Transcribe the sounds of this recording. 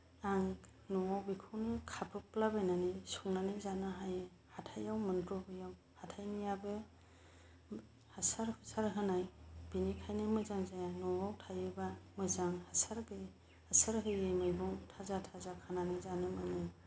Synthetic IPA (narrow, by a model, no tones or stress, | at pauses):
aŋ | nɔwawbikʰɯwnɯkʰapʰɯplabɯjnanijsuŋnanɯzanɯɦajɯ | hatʰajawmɯntɾɔbɯjaw | hatʰajnijabɯ | hasaɾhɯsaɾɦɯnajbinikʰajnɯmɯzaŋzajanɔwawtʰajɯbamɯzaŋhasaɾbe | hasaɾɦɯjɯmɯjbɔŋtʰazatʰazakʰananɯzanɯmɯjnɯ